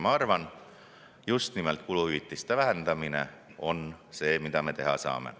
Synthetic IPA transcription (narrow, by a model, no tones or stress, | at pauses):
mɑɑrvɑn | just̪nimelt̪̚kuluhyit̪ːˑist̪evæɦend̪̥ɑmine̞̰o̞nse̞ːmid̪̥ɑme̞t̪e̞ɦɑ̰sɑ̰ːme̞̰